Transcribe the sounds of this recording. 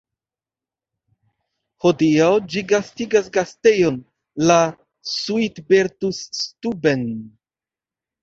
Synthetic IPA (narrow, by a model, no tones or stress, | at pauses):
hodiawd͡ʒiɡastiɡasɡastejon | la | suitbeɾtustuben